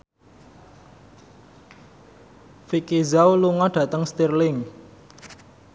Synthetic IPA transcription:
fikizawluŋɔɖ̥ä̤t̪əŋst̪irlɪŋ

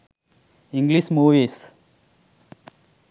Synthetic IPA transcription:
ĩŋɡlismuːʋis

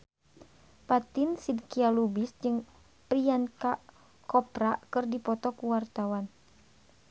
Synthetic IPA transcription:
pat̪insidkialubisd͡ʒɨŋ | pɾianka | kɔpɾakɨrdipɔt̪ɔkuwart̪awan

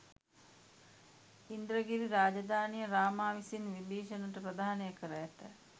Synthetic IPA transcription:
ind̪ɾəɡiɾiɾaːd͡ʒad̪ʱaːnijəɾaːmaːʋisinʋibeːʃɐnəʈəpɾəd̪aːnejəkəɾəjæt̪ə

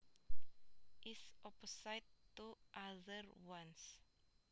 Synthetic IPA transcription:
ʔisɔpɔsajtːuʔaðəɾwãns

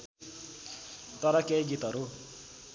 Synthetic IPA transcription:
t̪ʌɾʌkejɡit̪ɦʌɾu

